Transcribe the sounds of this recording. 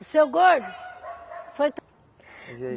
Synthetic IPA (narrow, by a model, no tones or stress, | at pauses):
ʊsewɡoɾd̪u | fojt̪